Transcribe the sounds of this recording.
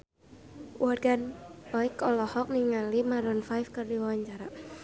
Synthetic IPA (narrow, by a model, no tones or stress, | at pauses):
wʔarɡanɔikɔlɔhɔk̚niŋalimaɾɔnfajfkɨrdiwawaɲt͡ʃaɾa